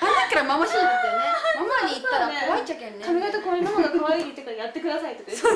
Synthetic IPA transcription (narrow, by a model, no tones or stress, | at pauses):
ad̪ekaɾamamaɕind̪esked̪onemamaɲiːt̪ːaɾakoβait͡ɕakẽnːekamʲiɡat̪okojɯmamoɡakɯβaɡeɲʲit̪ekaɾajat̪ːe̞kɯ̟d̪asait̪ot̪e